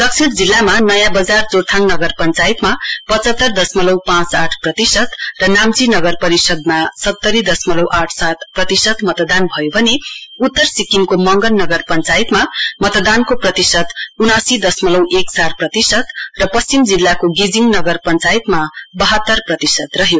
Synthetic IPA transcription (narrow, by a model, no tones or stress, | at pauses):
d̪ʌksʰiɾd͡zilːamanʌjãbʌd͡zart͡sort̪ʰaŋnʌɡʌrpʌnt͡sajt̪mapʌt͡sʌt̪ːʌrd̪ʌsmʌlʌwpãt͡saʈʰprʌt̪isʌt̪rʌnamt͡sinʌɡʌrpʌɾisʌd̪̚masʌt̪ːʌɾid̪ʌsmʌlʌwʔaʈʰsat̪̚prʌt̪isʌt̪mʌt̪d̪anbʱʌjobʱʌneut̪ːʌrsikiŋkomʌŋɡʌnːʌɡʌrpʌnt͡sajit̪mamʌt̪d̪ankoprʌt̪isʌt̪unasid̪ʌsmʌlʌwʔeksarprʌt̪isʌt̪rʌpʌst͡simd͡zilːakoɡid͡ziŋnʌɡʌrpʌnt͡sajit̪mabʌɦʌt̪ːʌrprʌt̪isʌt̪rʌɦjo